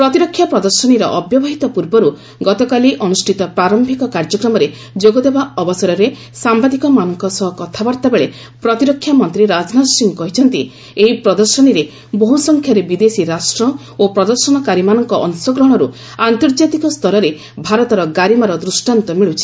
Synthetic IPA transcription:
pɾɔt̪iɾɔkʰːjapɾɔd̪ɔɾsɔɽ̃iɾɔʔɔbjɔbaɦit̪ɔpuɾbɔɾu | ɡɔt̪ɔkaliʔɔnusʈʰit̪ɔpɾaɾɔmbʱikɔkaɾd͡ʒɔkɾɔmɔɾe | d͡ʒoɡɔd̪ebaɔbɔsɔɾɔɾe | sambad̪ikɔmanɔŋkɔsɔɦɔkɔt̪ʰabaɾt̪abeɭe | pɾɔt̪iɾɔkʰːjamɔnt̪ɾiɾad͡ʒnad̪ɔsiŋkɔɦit͡ʃʰɔnt̪i | eɦipɾɔd̪ɔɾsɔñiɾe | bɔɦusɔŋkʰjaɾebid̪esiɾasʈɾɔ | opɾɔd̪ɔɾsɔñɔkaɾimanɔŋkɔʔɔŋsɔɡɾɔɦɽ̃ɔɾu | ant̪ɔɾd͡ʒat̪ikɔst̪ʰɔɾɔɾe | bʱaɾɔt̪ɔɾɔɡaɾimaɾɔd̪ɾusʈant̪ɔmiɭut͡ʃʰi̥

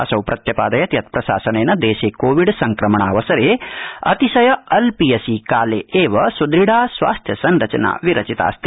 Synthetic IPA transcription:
ɐsɐwpɾʔɐt̪jɐpaːd̪ɐjɐt̪jɐt̪̚pɾɐsa̰ːsɐneːnɐd̪eːʃeːkoːʋiɖsɐŋkɾɐmɐɳaːʋɐsɐɾeːɐ̰t̪isɐjɐɐlpijɐsikaːleːeːʋɐsud̪ɾiɽaːsʋa̰ːst̪ʰjɐsɐnɾɐt͡ʃɐna̰ːʋiɾɐt͡ʃit̪a̰ːst̪i

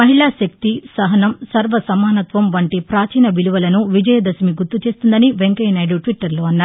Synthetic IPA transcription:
mɐɦiɭaːʃɐk̚t̪isɐɦɐnɐmsɐɾʋɐsɐmaːnɐt̪ʋɐmʋɐɳʈipɾaːt͡ʃiːnɐbiluʋɐlɐnuʋid͡ʒɐjɐd̪ɐsmiɡuɾt̪ːut͡ʃe̞ːst̪und̪ɐniʋeŋkɐjnɐjɽuʈʋiʈːɐɾloːɐnːaː

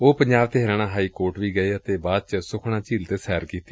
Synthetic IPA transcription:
oːpəɲd͡ʒaːbt̪eːɦəɾənãːɦaːiːkoːɾʈʋiːɡəeːət̪eːbaːd̪̚t͡ʃəsʊkʰɽãːt͡ʃiːlt̪eːsɛːɾkiːt̪ːi

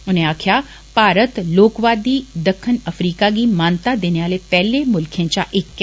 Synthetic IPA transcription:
ʊn̤ẽaːkʰija | paːɾət̪loːkʋaːd̪id̪ɐkʰːənɐfɾiːkaɡimaːnt̪ad̪eːneʋaːlepɛɦlemʊlkʰə̃t͡ɕaʔɪkː

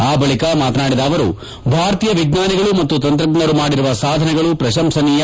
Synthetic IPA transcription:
aːbɐɭikɐmaːt̪ɐnaːɽid̪aːʋɐɾṵ | bʱaːɾɐt̪iːjɐʋiɡnaːniɡɐɭumɐt̪ːut̪ɐnt̪ɾɐɡnɐɾumaːɽiɾuʋɐsaːd̪ʱɐnɛɡɐɭupɾɐʃɐmsɐnijɐ

